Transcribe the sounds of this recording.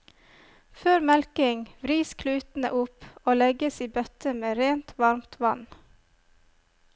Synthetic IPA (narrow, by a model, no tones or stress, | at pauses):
føːɾmɛlkɪŋʋɾiːskʰlʉːt̪n̩ə̰ʔʊpoːlɛɡəsiːbœt̪əmeːɾeːnt̪ʋɑɾmt̪ʰʋɑn